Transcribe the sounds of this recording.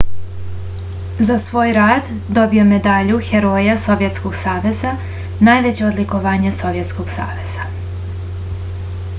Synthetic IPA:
zasʋo̞ːjɾaːd̪ | d̪o̞bio̞me̞d̪aʎuxe̞ɾo̞jaso̞ʋje̞t̪sko̞ɡsaːʋe̞za | naːjʋe̞t͡ɕeod̪liko̞ʋaːɲeso̞ʋje̞t̪skoɡsa̰ːʋe̞z̥a

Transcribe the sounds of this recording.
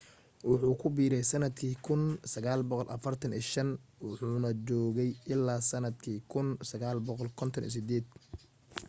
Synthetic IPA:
wʊħuːkʰʊbiːɾɛjsɐnɐd̪kʰiːkʰʊnsɐɣaːlbɔqɔlʔɐfɐrt̪ʰɐnḭːʃɐnwʊħuːnɐt͡ʃɔːɣɛjʔɪlːaːsɐnɐd̪kʰiːkʰʊnsɐɣaːlbɔqɔlkʰɔnt̪ʰɔnʔḭːsɪd̪ɛːd̪̥

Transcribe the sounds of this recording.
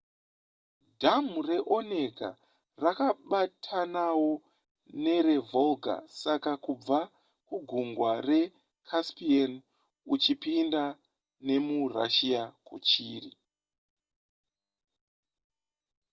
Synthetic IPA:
dʱamure̞ʔo̞ne̞ɡa̰ | rakaɓatʰanawo̞ | ne̞ɾe̞volɡʱa̰sakakub͡va | kuɡʱuŋɡware̞ | kʰaspian | ut͡ʃipinda | ne̞mura̰ʃijakṵt͡ʃiːrḭ

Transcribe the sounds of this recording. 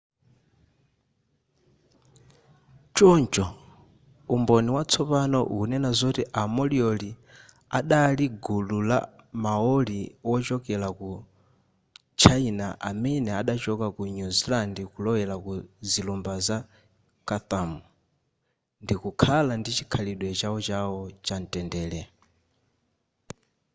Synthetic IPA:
t͡ʃɔnt͡ʃɔ | umbɔniwat͡sʰɔpanɔʔunɛnazɔtiʔamɔliɔli | aɗaliɡulula̰maɔliwɔt͡ʃɔkɛlaku | t͡ʃʰainaʔa̰mɛnɛaɗat͡ʃɔkakuɲuzilandikulɔwɛlakuzilumbaza | kaθamu | ndikukʰalandit͡ʃikʰaliɗwɛt͡ʃaɔt͡ʃawɔt͡ʃan̩tʼɛndɛːlɛ

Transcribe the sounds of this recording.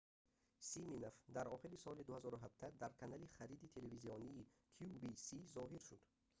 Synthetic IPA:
siminofd̪aɾɔχiɾisɔlid̪uhazɔɾuɦab̚d̪ad̪aɾkʰanaliχaɾid̪it̪ʰeleviziɔniːkʰubisizɔɦiɾʃud̪

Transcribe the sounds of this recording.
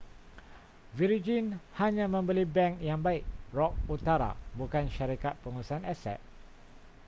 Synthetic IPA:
viɾid͡ʒinhaɲãmə̃mbəlibɛŋkjaŋbaik̚rɔk̚ut̪aɾa̰bukanʃaɾikat̪̚pəŋuusanɛsɛ̰t̪̚

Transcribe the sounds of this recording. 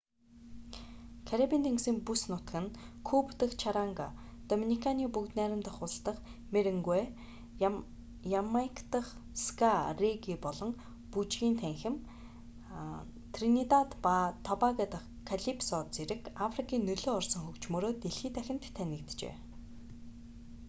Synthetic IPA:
kʰaɾapʲint̪ʰeŋɡsiːmpusnʊt̪kɘ̆nkʰupt̪ə̆xt͡ɕʰaɾaŋɡat̪ɔminikʰaniːpukt̪næːɾʲɪ̆mt̪əχʊ̆ɬt̪ə̆χmeɾɘ̆ŋɡwe | jamajkʰt̪ə̆χskareɡiːpɔɮɞ̆ŋ | put͡ɕɡʲiːnt̪ʰæŋxɪ̆m | t̪ʰrinit̪at̪pat̪ʰːɔpaɣat̪əχ | kʰːaɮipsɔt͡seɾɘ̆kafrikʰiːnːɵɮoːɔrsɞ̆ŋxɵkt͡ɕmɵːɾoːt̪eɮxiːt̪ʰæxʲɪ̆nt̪ʰːænʲɪ̆kt̪t͡ɕḛː

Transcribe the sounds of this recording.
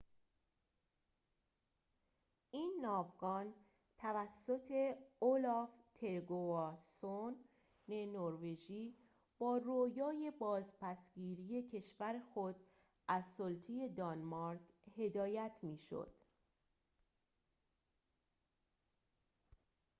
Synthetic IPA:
ʔiːnːɒːvɡɒːn | t̪ʰævæsːo̞t̪ʰe̞olɒft̪ʰe̞ɾɡoɒsonː | enoɾve̞ʒiː | b̥ɒːrojɒːje̞bɒːzpʰæsɟiːɾije̞cʰe̞ʃvæɾexo̞d̪ | ʔæzsolt̪ʰije̞d̪ɒnmɒɾɡhe̞d̪ɒːjæt̪ʰmiːʃo̰d̪̥

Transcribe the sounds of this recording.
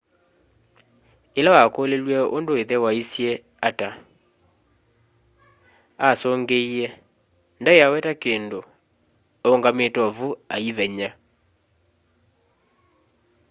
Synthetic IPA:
elawakolelwɛo̰ndoeðɛwaisjɛ | ata | asɔŋɡeiɛ | ndaeawɛtakeːndo | oŋɡametɔvuaiβɛɲa

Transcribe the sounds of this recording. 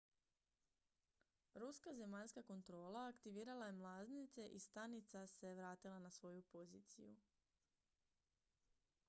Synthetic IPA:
ɾuskaze̞maʎskako̞nt̪ɾo̞ːlˠaːkt̪iʋiːɾalaje̞mlˠaznit̪se̞ʔist̪anit̪sase̞ʋɾaːt̪ilˠanasʋo̞jupo̞ziːt̪sḭjṵ

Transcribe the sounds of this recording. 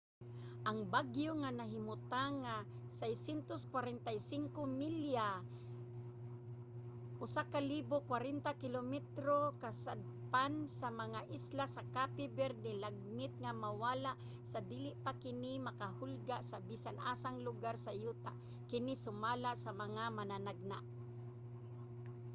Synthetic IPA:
ʔaŋbaɡjoŋanaɦɪmʊt̪aŋa | sajsjɛnt̪oskwaɾɛnt̪ajsɪŋkomɪlja | ʔʊsakaliːbokwaɾɛnt̪akɪlomɛt̪ɾokasad̪̚pansamaŋaʔɪslasakapɪbɛɾd̪ɛlaɡ̚mɪt̪̚ŋamawaːlaʔ | sad̪iːlɪʔpakɪnɪmakahʊlɡaʔsabisanʔaːsaŋlʊɡaɾsajuːt̪aʔ | kɪnɪsʊmaːlaʔsamaŋamananaɡ̚naʔ

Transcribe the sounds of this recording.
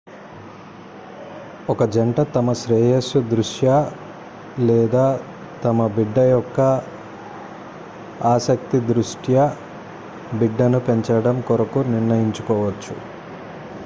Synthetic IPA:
ɔkɐd͡ʒɐɳʈɐt̪ɐmɐʃɾɛːjɐsud̪ɾuʂjɐ | lɛːd̪aː | t̪ɐmɐbiɖːɐjɔkːɐ | aːsɐk̚t̪id̪ɾuʂʈʰjɐ | biɖːɐnupeɲt͡ʃɐɽɐmkɔɾɐkuniɾɳɐjiɲt͡ʃu̥kɔːʋɐt͡ʃːṵ

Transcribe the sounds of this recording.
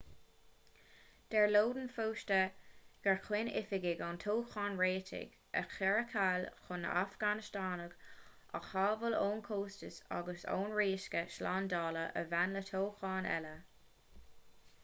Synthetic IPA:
d̪̥ɛɹloːd̪ənfoːʃtəɡ̥axwɪnɪ̰fɪɡɪɡantʰoːxɑːnɹeːtʰɪ̰ɡ̥ | ə̰xɛɹəkʰalxʊnə̰ʔafɡ̥anɪʃtaːnəɡ̥ | a̰xɑːvəloːnkʰoːstəsa̰ɡəso̰ːnɹiːʃkəʃlaːndɑːləʔə̰vanlətʰoːxɑːnɛ̰lə

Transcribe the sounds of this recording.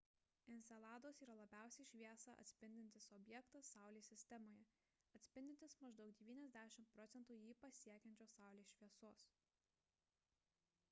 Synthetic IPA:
ɪnʲsʲɛlˠɑːd̪oːsiːɾɐlˠɐbʲæˑʊsʲɛɪʃʲʋʲiɛsɐʔɐ̰t̪ʲsʲpʲɪnʲd̪ʲɪnʲt̪ʲɪsɔbʲjɛkt̪ɐsːɑˑʊlʲeːsʲɪsʲt̪ʲɛmoːjɛ | ɐt̪ʲsʲpʲɪnʲd̪ʲɪnt̪ʲɪsmɐʒd̪ɒʊk̚d̪ʲɛʋʲiːnʲɛzʲd̪ʲæːʃʲɪmt̪̚pɾɔt̪sʲɛnt̪uːjiːpɐsʲiɛkʲɛnʲt͡ʃʲoːsɑˑʊlʲeːʃʲʋʲiɛsoːs

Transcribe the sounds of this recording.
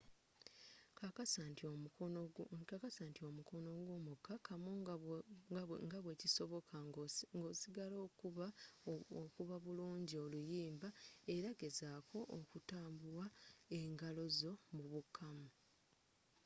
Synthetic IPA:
kakasat | kakasaːntio̞muko̞no̞ɡwoːmukːakʰamu | ŋɡaβwe̞ciso̞βo̞kʰaɡo̞ːsiɡaloːk | okuβaβuluːɲɟio̞lujiːmbae̞ɾaɡe̞zaːkʰo̞ʔokutaːmbuwae̞ŋɡalo̞zo̞muβukʰːamu

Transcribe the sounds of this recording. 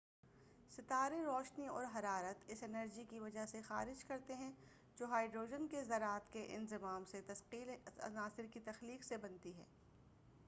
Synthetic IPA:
sɪt̪aːɾẽɾɔːʃniɔːɾɦɐɾaːɾət̪ɪsɪnəɾd͡ʒikiʋɐd͡ʒaɦsexaːɾɪd͡ʒkɐɾt̪eɦɛ̃ | d͡ʒoːɦaːɪɖɾoːd͡ʒənkezɐɾaːt̪keʔɪ̰nzɪmaːmset̪ɐsqiːlɐ̰naːsɪɾkit̪ɐxliːqsebɐ̃nt̪iɦɛ̰ː

